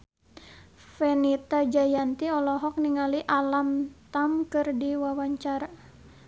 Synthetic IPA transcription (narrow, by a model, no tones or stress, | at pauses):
fɛnit̪ad͡ʒajant̪iɔlɔɦɔk̚niŋaliʔalamt̪amkɨrdiwawaɲt͡ʃaɾa